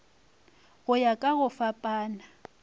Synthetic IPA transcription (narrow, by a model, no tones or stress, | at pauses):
ɣʊjakʼaɣʊfapʼaːna